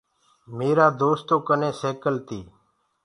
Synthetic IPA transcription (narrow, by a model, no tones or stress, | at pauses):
meːɾaːd̪oːst̪oːkənẽːseːkəlt̪iː